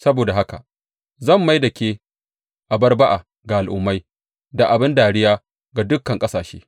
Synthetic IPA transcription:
sɐ˦boː˨da˨ɦa˦ka̰˨ | zɐ˦˨mːa˦jdɐ˨kʲeː˦ | ʔa˨bɐ˦rba˦ʔa̰ː˨ | ɡa˨ʔa˨lʔʊ˦mːa˦j | da˨ʔa˨bɪ˦ndaː˨ɽɪ˦jaː˦ | ɡa˨dʊ˦kːɐ˨ŋkʼɐ˦saː˨ʃḛː˦

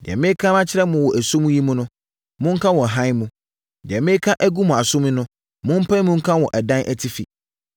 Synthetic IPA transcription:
dɛ̰˨mɪ̃˦kʰã˦mã˦t͡ɕʰɪ˦ɾɛ˦mʊ̃˨wɔ˨ʔæ˨sʊ̃˦m˦ji˦mũ˦nʊ̃˦ | mʊ̃˦ŋ̩˦kʰã˦wɔ˨ɦã˦jmũ˨ | dɪ˨ɛ˨mɪ̃˦kʰa˦ʔæ˦ɡu˦mʊ̃˨a˨sʊ̃˦mĩ˦nʊ̃˦ | mʊ̃˦m̩˦pʰã˦n˦mʊ̃˦ŋ̩˦kʰã˦wɔ˨ʔæ˨dã˦nʔæ˦˨tʰi˦fi˨

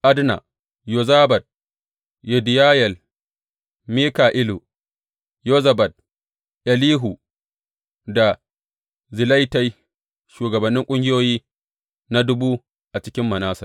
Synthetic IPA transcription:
ʔa˦dna̰˨ | jo˨zaː˦bɐ˨t̚ | jɛ˨dɪ˨jaː˦jɛ˨l | miː˦kaː˨ʔɪ˦lu˨ | jo˦zɐ˨bɐ˨t̚ | ʔɐ˨liː˦ɦu˨ | da˨ | zɪ˨la˦jta˦j | ʃuː˨ɡɐ˨bɐ˨nːɪ˦ŋkʷʼʊ˦ŋɡʲɪ˦joː˦jiː˦ | na˦dʊ˦buː˦ | ʔa˨t͡ʃɪ˦kʲɪ˦mːɐ˨naː˦sɐ˨r

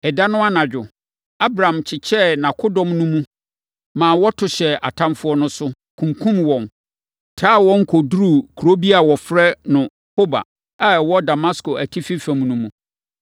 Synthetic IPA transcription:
ɛ˨da˦nʊ̃˦a˦nã˨d͡ʑᶣʊ˨ | a˦bɾã˨mt͡ɕʰɪ˨t͡ɕʰɛ˦nã˨kʰʊ˦dɔ̃˨mnũ˦mũ˦ | mãː˨wɔ˦tʰʊ˨ɕɛ˨a̰˨tʰã˦mfʊ˦ɔ˦nʊ̃˦sʊ˦ | kʰũ˨ŋkʰũ˦mwɔ̃˨n | tʰaː˦˨wɔ̃˦ŋ̩˦kʰɔ˨du˦ɾu˦˨kʰu˨ɾo˦bi˦a˨wɔ˨fɾɛ˦nʊ̃˨ | ho˦ba̰˨ | a˨ɛ˨wɔ˦da˨ma˦sko˨æ˨tʰi˦fi˦fã˨mnũ˦mũ˨

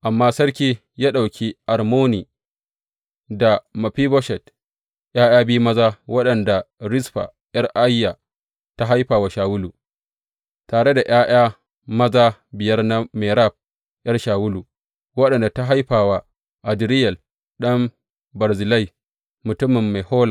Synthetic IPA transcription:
ʔa˨mːaː˦sɐ˦ɽkʲiː˦ | jaː˦ɗa˨wkʲʰi˦ʔa˨rmoː˦niː˨ | da˨mɐ˨ɸiː˦bɔ˦ʃɛ˨t | jaː˦jaː˦biː˦mɐ˦zaː˦wɐ˦ɗɐ˨nda˨ɾɪ˦sɸa̰˨ | ʔɐ˦rʔa˦jːa˨ | ta˦ɦa˦jɸaː˨wa˨ʃaː˨wʊ˦lu˨ | taː˨ɽe˦da˨j̰aː˦j̰aː˦ | mɐ˦zaː˦bɪ˨jɐ˦rna˦meː˨ɾa˦˨b̚ | jɐ˦rʃaː˨wʊ˦lu˨ | wɐ˦ɗɐ˨nda˨ta˦ɦa˦jɸaː˨wa˨ | ʔa˨dɾɪ˦jɛ˨l | ɗɐ˦m | bɐ˨ɾzɪ˨lɐ˦˨j | mʊ˨tʊ˦mːɪ˨mːa˨jhoː˦la˨

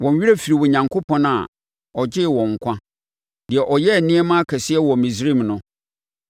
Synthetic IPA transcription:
wɔ̃˨n˦ɥi˦ɾæ˦fi˨ɾi˨wɔ˨ɲã˨ŋkʰo˦pʰɔ̃˦n˦a̰˨ | ɔ˨d͡ʑɪ˦˨wɔ̃˨ŋ̩˨kʷʰã˦ | d̥ɪ˨ɛ˨ʔɔ˨jɛ˦˨nɪ̃˦ɛ˦mã˦a˦kʰɛ˨sɪ˦ɛ˦wɔ˨mĩ˨sɾĩ˦mnʊ̃˨˦

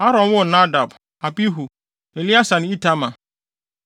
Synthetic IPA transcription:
ha˦ɾɔ̃˨nwʊ˦˨na˦da˨b | a˨bi˦ɦu˨ | e˨li˦a˦sã˨nɪ̃˦i˦tʰa˦mã˨

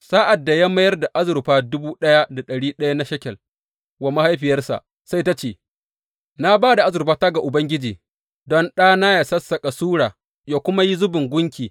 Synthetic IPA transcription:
saː˦ʔa˨dːa˨ja˦ma˦jɐ˦rda˨ʔa˦zʊ˨ɾɸaː˦dʊ˦buː˦ɗɐ˦ja˦da˨ɗɐ˨ɽiː˦ɗɐ˦ja˦na˦ʃɐ˦kʲɛ˨l | wa˨ma˦ha˦jɸɪ˨jɐ˦rsa̰˨ʔ | sa˦jta˦t͡ʃeː˨ | na˦baː˦da˨ʔa˦zʊ˨rɸaː˦ta˦ɡa˨ʔʊ˨bɐ˦ŋɡʲɪ˦d͡ʒiː˨ | dɔ˦nɗaː˦naː˦ja˨sɐ˦sːɐ˨kʼa˨suː˦ɽaː˨ | ja˦kʷʊ˦ma˦ji˦zʊ˦bɪ˨ŋɡʷʊ˦ŋkʲiː˨

